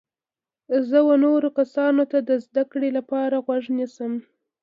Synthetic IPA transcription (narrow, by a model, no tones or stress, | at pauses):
zəwanoɾokasɑnot̪ad̪əzd̪akɽelapɑɾaɣwaʐnisəm